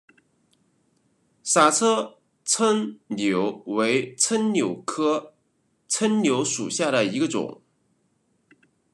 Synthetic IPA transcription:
sa˨˩t͡sʰɤ˥ | t͡sʰə˥ŋnjo˧˥ʊwe˧˥ɪt͡sʰə˥nnjo˨˩ʊkʰɤ˥ | t͡sʰə˥nnjo˧˥ʊʂu˨˩ɕja˥˩ɾə˩i˧˥ɡə˧ʈ͡ʂʊ̰˨˩˦ŋ

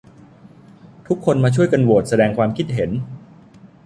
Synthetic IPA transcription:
t̪ʰu˦˥kʰːo˧nmaː˧t͡ɕʰu˥˩əjka˧nwu˨˩t̪̚sa˧dɛː˧ŋkʰwaː˧mkʰi˦˥t̪̚ɦe˩˦n

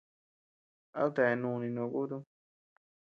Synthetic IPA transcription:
a̰˦t̪a˧˨e˧nũ˧nĩ˧nõ˧ku˦t̪u˦

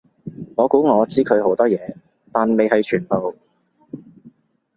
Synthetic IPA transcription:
ŋɔː˨˧kuː˨˥ŋɔː˨˧t͡siː˥kʰɵ˨˧ɥɦo˨˥wt̪ɔː˥jɛː˨˧ | t̪aː˨nme˨jɦɐ˨jt͡ʃʰyː˨˩npo˨w

